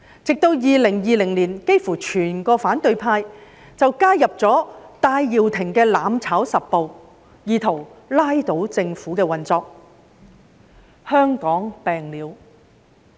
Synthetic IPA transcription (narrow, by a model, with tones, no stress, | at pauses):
t͡sɪ˨k̚t̪o˧wjiː˨˧lɪ˨˩ŋjiː˨˧lɪ˨˩ŋliː˨˩nke˥jfuː˨˩t͡ʃʰyː˨˩nkɔː˧faː˨˥nt̪ɵ˧ɥpʰaː˧j | t͡sɐ˨wkaː˥jɐ˨p̚t͡sɔː˨˥t̪aː˧jːiː˨wt̪ʰɪ˨˩ŋkɛː˧laː˨˧mt͡sʰaː˨˥wsɐ˨p̚po˨w | jiː˨˧t̪ʰo˨˩wlaː˥jt̪o˨˥wt͡sɪ˧ŋfuː˨˥kɛː˧wɐ˨nt͡sɔː˧k̚ | hœː˥ŋkɔː˨˥ŋpɛː˨ŋliː˨˧w